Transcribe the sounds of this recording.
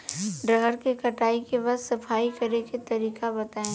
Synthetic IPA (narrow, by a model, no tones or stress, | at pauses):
ɖɾɐɦəɾkekɐʈaːikebɐzsɐfʰaːikɐɾeket̪ɐɾiːkabɐt̪aːẽ